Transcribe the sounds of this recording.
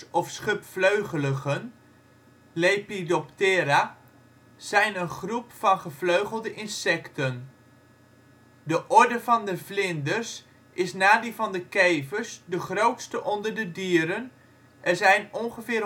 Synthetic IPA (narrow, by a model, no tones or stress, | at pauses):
ɔfsχʏpfløɥχələχən | lejpidɔptɪːɾa | z̥ɛjnənχrupfɑnχəvløɥχəlˠdəʔɪnsɛktən | dəʔɔɹdəvɑndəvlɪndərs | ʔɪsnaːdivɑndəkejvəɹsdəχrowtstəʔɔndərdədiːəɾən | ʔɛɹzɛjnɔnχəvɪːr